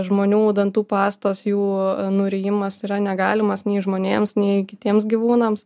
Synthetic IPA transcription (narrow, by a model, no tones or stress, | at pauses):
ʒmoːnʲuːd̪ɐnt̪uːpɑːst̪oːsjuːnʊɾʲɛjɪmɐsiːɾɐnʲɛɡɑːlʲɪmɐsnʲɛɪʒmoːnʲeːmsnʲɛɪkʲɪt̪ʲiɛmsɡʲiʋuːnɐms